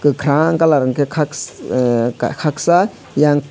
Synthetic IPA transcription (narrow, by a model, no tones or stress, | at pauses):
kɨkʰɾaŋkalaɾɨŋkekʰak | a̰kʰaksa | jaŋ